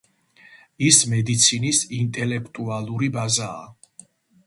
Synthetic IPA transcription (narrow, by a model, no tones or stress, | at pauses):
ismɛd̪it̪sʰinisint̪ʼɛlɛkʰt̪ʼualˠuɾibaza̰ː